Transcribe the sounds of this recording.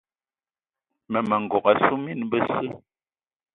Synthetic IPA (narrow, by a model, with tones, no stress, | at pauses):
mə˨mə˨ŋ̩˨ɡɔ˨ka˨su˦mi˦˨nbə˦sɨ˦